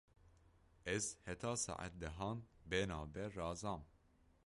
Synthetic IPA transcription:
ɛzhɛt̪ʰɑːsɑ̰ʔa̰t̪̚d̪ɛɦɑːnbenɑːbɛrɑːzɑːm

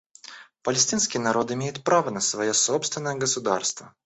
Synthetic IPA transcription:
pəlʲɪsʲtʲinskʲɪjnɐɾo̞t̪ɪmʲejɪt̪̚pɾavənəsvɐjosopst̪vʲɪnːəjəɡəsʊd̪a̰rst̪və

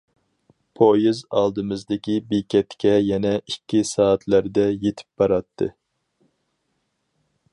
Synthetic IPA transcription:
pʰojizɑ̰lˠd̪ɨmɨzd̪ɪkʲibekʲɛt̪kʲʰɛjɛnɛikʲːisɑːt̪ʰlæɾd̪ɛjet̪ʰɪ̥p̚bɑɾɑt̪ʰːɨ̰

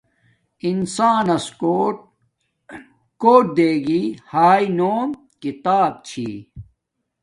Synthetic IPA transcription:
insaːnɐso | koːʈ̚d̪eːɡiːhaːinoːm | kit̪aːb̚t͡ɕʰḭː

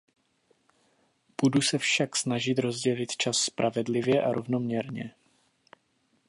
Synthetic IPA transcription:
b̥udusɛfʃaksnaʒɪt̪ɾo̞zɟɛlɪt̪t͡ʃasːpɾʔavɛdlɪvjɛʔaɾʔo̞vno̞mɲɛɾɲɛ̰

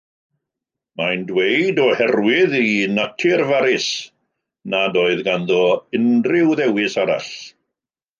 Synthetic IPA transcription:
majndwejdɔhɛrwɪðinatʰɪrvaɾɪs | nadoːɨðɡanðɔɪnrɪwðɛwɪsaɾa̰ɬ

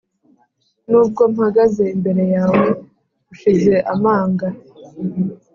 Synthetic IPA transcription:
nuːb̚ɡo̞m̩haɡaze̞imbe̞ɾe̞jaːwe̞ | ɡuʃize̞ʔamaːŋɡa

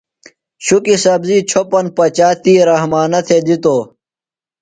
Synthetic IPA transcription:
ɕukisɐbzit͡ɕʰopɐnpɐt͡ɕaːt̪iːɾɐɦmaːnɐt̪ʰed̪it̪oː

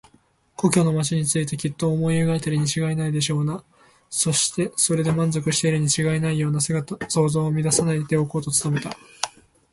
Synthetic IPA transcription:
ko̞kʲo̞no̞mat͡ɕiɲ̟it͡sɨit̪e̞kʲit̪ːo̞ːmo̞ieɡaet̪eɾɯ̟ɲ̟it͡ɕiɡainaid̪e̞ɕ̬o̞ːna | so̞ɕi̥t̪e̞so̞ɾe̞d̪e̞mãnzo̞kɯ̟ɕi̥t̪e̞iɾɯ̟ɲ̟it͡ɕiɡainaijo̞ːnasɡso̞ːzo̞ːmʲid̪asanait̪e̞oko̞ːt̪o̞t͡sɨ̥t̪ame̞t̪a

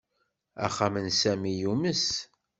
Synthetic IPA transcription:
æ̰χːamənsæmijuməs

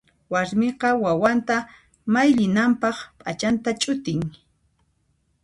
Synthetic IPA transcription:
waɾmɪqɑwawant̪a | majʎɪnampɑχpʼat͡ʃant̪at͡ʃʼʊt̪ɪŋ

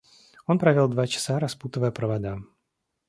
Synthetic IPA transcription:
o̞npɾɐvʲolˠd̪vat͡ɕɪ̥saɾɐsput̪əvəjəpɾəvad̪a

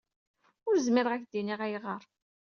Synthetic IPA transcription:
ʊɾzmɪɾəʁæçd̪iniʁæjʁəɾˤ

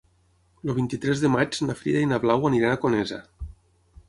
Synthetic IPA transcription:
loβ̞int̪it̪ɾɛzðemad͡ʒnafɾḭðainaβlawaniɾanakoneza

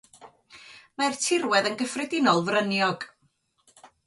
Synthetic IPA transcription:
martʰɪrwɛðənɡəfrɛdɪnɔlˠvrənjɔɡ̥

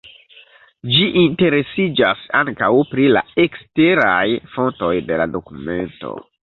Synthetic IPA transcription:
d͡ʒiʔinte̞ɾe̞sid͡ʒasaŋkawpɾila̰ekste̞ɾajfo̞nto̞jde̞lado̞kume̞nto̞̰

